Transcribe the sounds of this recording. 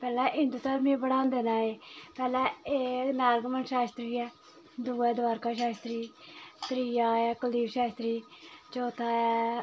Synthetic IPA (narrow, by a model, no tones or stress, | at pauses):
pɛːlɛ̃ːʔɪ̃nd̪ut̪aɾmĩbəɽãːnd̪eːnãːeːpɛːlɛ̃ːeːnaːɾɡmənʃaːst̪ɾiːɛː | d̪uːɛːd̪ʋaːɾkaːʃaːst̪ɾiːt̪ɾijaːɛːkəliːbʃaːst̪ɾiːt͡ʃoːt̪ʰaːɛ